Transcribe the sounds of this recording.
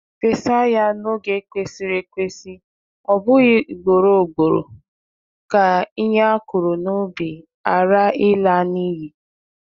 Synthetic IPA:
pe˨sa˦ja˦no˦ɡe˦kʷe˦si˦ɾe˦kʷe˦si˦ | ɔ˨bʊ˦ɣi˦˨ɡ͡bo˨ɾo˨ɡ͡bo˨ɾo̰˨ | ka˨i˦ɲ˦a˦kʊ˨ɾo˨no˦bi˨ | a˨ɾa˦ɪ˦la˦ni˦ɦi˨

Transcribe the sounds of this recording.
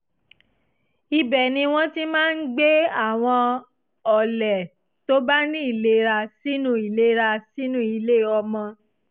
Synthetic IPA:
i˧bɛ˨nĩ˧w̃ɔ̃˦ti˦mãː˦˧n̩˦ɡ͡be˦a˦˨w̃ɔ̃˧ | ɔ˨lɛ˨ | to˦ba˦nĩ˦i˦˨le˦ɾa˧si˦nũ˦i˨le˦ɾa˧si˦nũ˦i˧le˦˨ɔ˧mɔ̃˧

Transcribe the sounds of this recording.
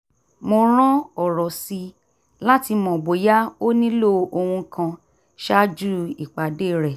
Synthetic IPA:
mo˧ɾ̃ã˦ɔ˨ɾɔ˨si˧ | la˦ti˧mɔ̃˨bo˨˦ja˦o˦nĩ˦lo˦o˧hũ˧kã˧ | ʃa˦d͡ʒu˦i˨k͡pa˨de˦˨ɾɛ˨

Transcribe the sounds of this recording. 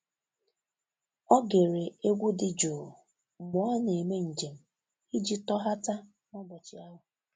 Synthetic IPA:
ɔ˦ɡe˨ɾe˨e˦ɡʷu˦dɪ˨d͡ʒo˨ | mʊ˨˦a˦ne˨me˦n̩˨d͡ʒe˨m̩˨ | i˦d͡ʒi˦tɔ˦ɦa˦ta˦ | nɔ˦bɔ˨t͡ʃɪ˨a˦ɦʊ˨

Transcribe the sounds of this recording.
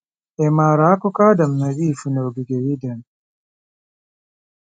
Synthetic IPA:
ʔɛmaːɾa˦kɔkaː˦da˨mna˨βiː˦funɔ˨ɡi˨ɡɛ˨ɾi˦dɛ˨n

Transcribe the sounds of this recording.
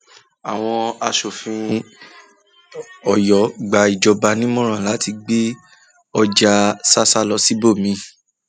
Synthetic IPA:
a˨w̃ɔ̃˧a˧ʃo˨fĩ˧ | ɔ˨jɔ˨˦ɡ͡ba˨i˨d͡ʒɔ˧ba˧nĩ˦mɔ̃˦ɾ̃ã˨la˨˦ti˧ɡ͡be˦ | ɔ˧d͡ʒa˧sa˦sa˦lɔ˧˦si˦bo˦˨mĩ˧˦

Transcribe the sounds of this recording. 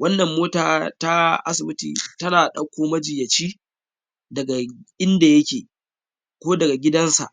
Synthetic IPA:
wɐ˦nːɐ˨mːoː˦taː˨ta˦ʔa̰˦sɪ˨bɪ˦tḭː˨tɐ˦naː˨ɗɐ˦kʷoː˦mɐ˦d͡ʒɪ˨jɐ˨t͡ʃiː˦ | dɐ˨ɡa˨ʔɪ˦nda˨jɐ˦kʲeː˨ | kʷoː˦dɐ˨ɡa˨ɡʲɪ˦dɐ˦nsa̰˨ʔ

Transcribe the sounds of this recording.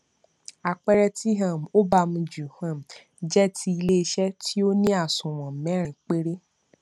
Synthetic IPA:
a˨k͡pɛ˦ɾɛ˧ti˦ɦã˦˨m̩˨o˦ba˧mũ˧d͡ʒu˨hã˨m̩˨ | d͡ʒɛ˦tʰi˧˦i˧le˦i˧ʃɛ˦tʰi˦o˦nĩ˦a˦˨sũ˨w̃ɔ̃˨m˨mɛ̃˨˦ɾĩ˨k͡pe˦ɾe˦

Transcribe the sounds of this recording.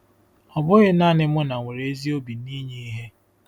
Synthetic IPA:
ɔ˨bʊ˦ɣɪ˦na˦nɪ˦mʊ˦na˨ŋʷe˨ɾe˨e˦zi˦o˦bi˨˦ni˦ɲe˦i˦ɦe˦

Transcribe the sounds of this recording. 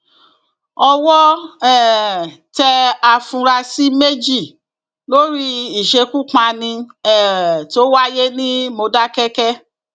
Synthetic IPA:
ɔ˧wɔ˦ɛ˦˨tɛ˧a˧˨fũ˧ɾa˧si˦me˦d͡ʒi˦˨ | lo˦ɾi˦i˨ʃe˧ku˦˨k͡pã˧nĩ˧ɛ˦˨to˨˦wa˦je˦nĩ˦mo˧da˦kɛ˦kɛ˦

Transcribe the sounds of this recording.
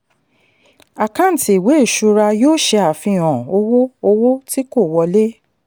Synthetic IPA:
a˨kã˦n̩˨ti˨i˨we˨˦˨ʃu˧ɾa˧joː˦ʃe˧a˨fĩ˧ɔ̃˨o˧wo˦o˧wo˦ti˦ko˦˨wɔ˧le˦

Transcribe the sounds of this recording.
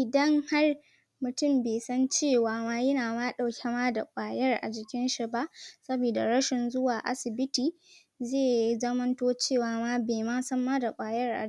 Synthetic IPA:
ʔɪ˨dɐ˦ŋha˦r | mʊ˨tʊ˦˨mbeː˨sɐ˦nt͡ʃeː˦˨waː˨maː˦jɐ˦naː˨maː˦ɗa˨wkʲʰɛ˦maː˦da˨kʷʼaː˨jɐ˦rʔa̰˨d͡ʒɪ˨kʲɪ˦nʃi˦ba˦ʔsɐ˦biː˨da˨ɾɐ˦ʃɪ˨nzʊ˦waː˨ʔa̰˦sɪ˨bɪ˦tiː˨ | zeː˦˨i˦zɐ˦mɐ˦ntoː˦t͡ʃeː˦˨waː˨maː˦beː˨maː˦sɐ˦mːaː˦da˨kʷʼaː˨jɐ˦rʔa̰˨

